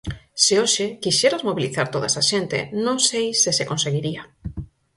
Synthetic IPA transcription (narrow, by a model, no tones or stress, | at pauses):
seoʃekiʃeɾazmoβiliθaɾt̪oðaesaʃent̪ḛnõŋsejsesekõnseɣiɾia